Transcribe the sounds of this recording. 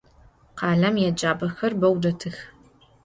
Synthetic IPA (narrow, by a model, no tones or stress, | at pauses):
qɑːɮɐmjɛd͡ʒaːbɐxɐrbɐwdɐtʰɨx